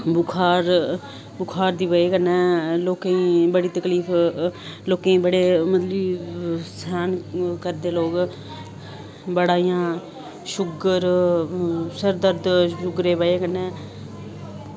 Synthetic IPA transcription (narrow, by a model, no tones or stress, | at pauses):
bʊkʰaːɾ | bʊkʰaːɾd̪iːbəeːkənːɛ̃ːloːkẽĩːbəɽiːt̪əkliːfʰ | loːkẽĩːbəɽeːmət̪liːsaːnkəɾd̪eːloːɡ | bəɽaːijãː | ʃʊɡəɾ | səɾd̪əɾd̪ʃʊɡɾeːbəeːkənːẽː